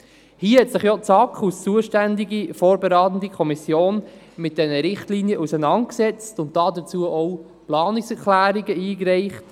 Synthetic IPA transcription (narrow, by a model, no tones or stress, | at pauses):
hiːəhɛtsɪχjɔt͡sɑkχust͡suəʃtændiɡifoːɾbəɾɑːtən̩dikʰɔmisjoːn | mɪt̚d̥ɛnəɾɪχtliːnjəʔusənɑnt̚ksɛt͡stʊnt̚d̥ɑːdət͡suəʔɔw | plɑːnɪksɛɾklæːɾiɡəiːkɾɛɪχt